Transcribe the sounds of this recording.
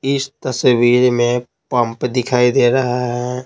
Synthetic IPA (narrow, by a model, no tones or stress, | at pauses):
ɪst̪ɐsʋiːɾmẽ | pə̃mpd̪ɪkʰaːid̪eːɾɐɦaɦɛ